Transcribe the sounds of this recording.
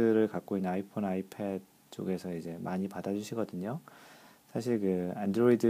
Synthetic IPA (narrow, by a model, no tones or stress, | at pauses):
ɯɾɯɭkak͈̚oinːɯnaipʰonaipʰed̚ | t͡ɕ͈o̰ɡe̞sʰʌid͡ʑe̞maɲipadad͡ʑuɕʰiɡʌdɯɲo | sʰaɕʰiɭkɯandɾoidɯ